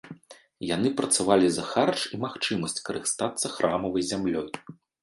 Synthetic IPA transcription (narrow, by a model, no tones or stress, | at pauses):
jan̪ɨpɾɐt̪savalʲizɐxart͡ʂimaxt͡ʂɨmɐsʲt͡sʲkɐɾɨst̪at̪sːɐxɾʔamɐvɐjzʲamlʲɔj